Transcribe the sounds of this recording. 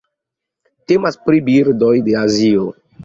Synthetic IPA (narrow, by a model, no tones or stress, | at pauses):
te̞maspɾibiɾdo̞jde̞azio